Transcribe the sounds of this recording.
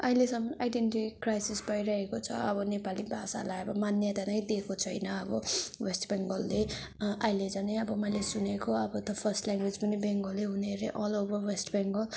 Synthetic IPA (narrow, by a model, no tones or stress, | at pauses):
ʌilesʌmʌnajɖenʈikrajsisbʌjɾʌɦekot͡sʰʌ̰ʌbʌnepalibʱasa̰lajʌbʌmanjʌt̪anʌjd̪ekʰot͡sʰʌjnʌʌbʌwesʈbeŋɡʌlːe | ʔʌɦiled͡zʌneʌbʌmʌjlesunekoʌbʌt̪ʌpʰʌrsʈlaŋɡwed͡zpʌnibeŋɡʌlːeɦuneɾeʔʌlobʌrwesʈbeŋɡʌl